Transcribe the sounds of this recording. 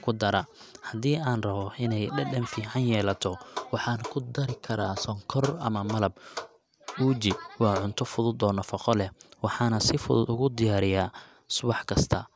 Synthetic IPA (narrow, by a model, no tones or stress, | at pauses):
kʰʊd̪ɐɾɐhɐd̪iːʔaːnrɐβɔʔɪnɛjɖɐɖɐnfiːʕɑnjɛːlɐt̪ʰɔwɑħɑːnɐkʰʊd̪ɐɾɪkʰɐɾaːsɔŋkʰɔrɐ̰mɐmɐlɐb | uːt͡ʃɪwɑːʕʊnt̪ʰɔfʊðʊd̪ɔːnɐfɑqɔlɛhwɑħɑːnɐsɪfʊðʊd̪ʊɣʊd̪ɪjaːɾɪjaː | sʊβɑħkʰɐst̪ʰɐ̰